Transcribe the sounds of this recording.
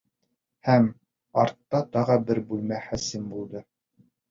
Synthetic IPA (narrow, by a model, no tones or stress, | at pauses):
hæm | ɑɾt̪ːɑt̪ɑʁɤbɘɾbʉlmæχæsɘmbulˠd̪ɤ